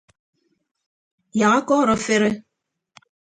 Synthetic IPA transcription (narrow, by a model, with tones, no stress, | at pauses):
ja˨a˦kɔ˦˨ɾo˨fe˦ɾe˦